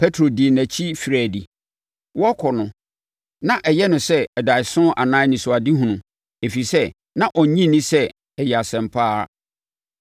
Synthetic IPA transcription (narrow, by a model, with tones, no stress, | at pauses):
pʰɛ˦tʰɾo˨di˨næ̃˨t͡ɕʰi˦fi˨ɾæː˨di˨ | wɔ˦kʰɔ˨nʊ̃˨ | nã˦ʔɛ˨jɛ˦nʊ̃˨sɛ˦ɛ˨da˨sʊ̃˦ʔa˨nãː˦nĩ˨sʊ˨a˨di˦ɦũ˨nũ˨ | e˨fi˨sɛ˦ | nã˦ʔɔ˨ɲĩ˦nĩ˦sɛ˦ | ɛ˨jɛ˨a˨sɛ̃˨mpʰaː˦